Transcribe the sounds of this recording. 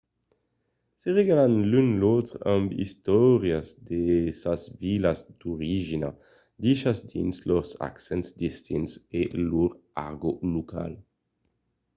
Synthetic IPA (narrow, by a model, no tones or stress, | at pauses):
seʁeɡalanlynlot̪ʁambḭst̪ɔʁjazd̪esasvilazd̪̥oʁiʒina | d̪iʃasd̪ḭnsloʁsa̰ksɛntsd̪ist̪inseluʁa̰ʁɡolukʰa̰l